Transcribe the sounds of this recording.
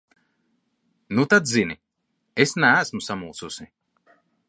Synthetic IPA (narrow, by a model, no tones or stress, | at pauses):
nut̪ad̪zini | esnæːsmusamuːt̪susi